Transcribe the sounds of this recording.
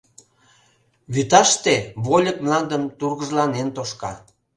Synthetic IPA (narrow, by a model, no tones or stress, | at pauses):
βyt̪ɑʃt̪eβolʲək̚mlɑnd̪əmt̪urɣəʒlɑnent̪oʃkɑ̰